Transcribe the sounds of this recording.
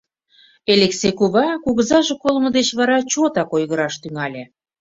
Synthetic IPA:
eleksekuβɑkuɣəzɑʒekolmə̆d̪et͡ɕβɑɾɑt͡ɕot̪ɑkojɣəɾɑʃt̪yŋɑlʲĕ

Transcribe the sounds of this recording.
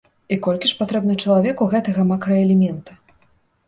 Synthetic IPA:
ikɔlʲkʲiʂpat̪ɾɛbnɨt͡ʂɐlˠavʲɛkuɣɛt̪ɐɣɐmakɾɐɛlʲɛmʲɛnt̪ɨ̥

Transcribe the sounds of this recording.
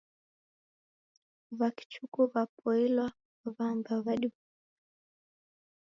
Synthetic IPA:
βaki̥t͡ʃukuβapɔɛlwa | βambaβaɗiβu

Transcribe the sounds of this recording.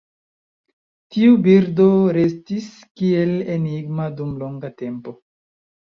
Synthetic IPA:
tiubiɾdo̞ɾe̞stis | kie̞leniɡmadumloŋɡate̞mpo̞

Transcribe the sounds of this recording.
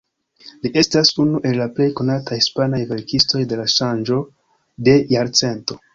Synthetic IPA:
liʔe̞stasunuʔe̞lːaple̞jko̞natʰahispanajve̞ɾkisto̞jde̞laʃand͡ʒo̞ | de̞jaɾt͡se̞nto̞

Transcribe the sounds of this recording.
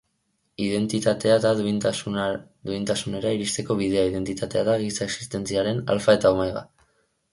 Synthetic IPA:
iðe̞nt̪it̪at̪e̞aðaðu | d̪uint̪asune̞ɾaiɾist̪e̞ko̞βið̞e̞aiðe̞nt̪it̪at̪e̞aðaɣisaeksi̥st̪e̞nt͡siaɾe̞na̰lfae̞t̪aomajɣa̰

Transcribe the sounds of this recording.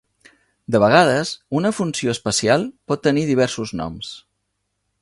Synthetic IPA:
d̪əβəɣ̞aðəzunəfunsioəspəsialˠpɔt̪ːəniðiβ̞ɛɾsuznɔ̰ms

